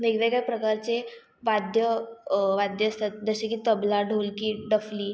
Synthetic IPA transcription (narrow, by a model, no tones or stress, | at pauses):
ʋeɡʋeɡapɾəkaɾt͡se | ʋad̪ʱjəʋad̪ʱjəst̪at̪̚d͡zəɕekiːt̪əblaɖʱolkiːɖəfliː